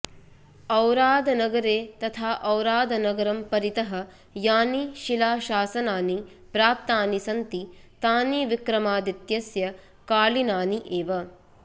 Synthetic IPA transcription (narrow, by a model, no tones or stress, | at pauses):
ɐwɾaːd̪ɐnɐɡɐɾeːt̪ɐt̪ʰaːʔɐwɾaːd̪ɐnɐɡɐɾɐmpɐɾit̪ɐɦɐ̆ | jaːniʃilaːʃaːsɐnaːni | pɾaːp̚t̪aːnisɐnt̪it̪aːniʋikɾɐmaːd̪it̪jɐsjɐ | kaːlinaːniʔeːʋɐ